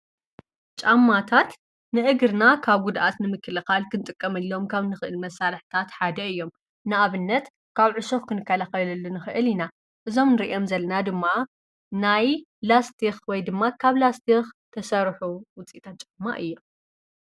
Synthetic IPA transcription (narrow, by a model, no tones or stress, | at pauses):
t͡ʃʼamːat̪ʰat̪ | nɨʔɨɡɨɾnakʰaβɡud̪ʔat̪nɨmɨkːɨlɨxalkʰɨnt̪ʼɨkʼːɐmɨlːo̞mkʰaβnɨxɨʔɨlmɐsalɨħt̪ʰat̪ħad̪ɐɨjːo̞m | nɨʔaβɨnːɐt̪ | kʰaβʕʊʃoxkʰɨnɨkʰːɐlaxɐlɐlːunɨxɨʔɨlina | ʔɨzo̞mnɨɾiʔomzɐlːɐnad̪ɨmːa | naj | last̪ʰixwɔjd̪ɨmːakʰaβlast̪ʰixt̪ʰɐsɐɾħuwʊt͡sʼit̪ʰat̪̚t͡ʃʼamːa̰ʔɨjːo